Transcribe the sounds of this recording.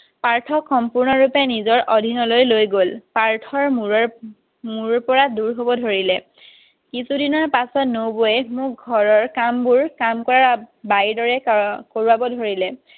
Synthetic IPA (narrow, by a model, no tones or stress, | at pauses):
paɹtʰɔkxɔmpuɹnɔɹupɛnizɔɹʔɔdʱinɔlojlojɡolpaɹtʰɔɹ | muɹpɔɹaduɹɦobɔdʱoɹilɛ | kisudinɔɹpasɔtnowboɛmʊk̚ɡʱɔɹɔɹkambuɹkamkɔɹabajdɔɹɛkoɹuabɔdʱoɹilɛ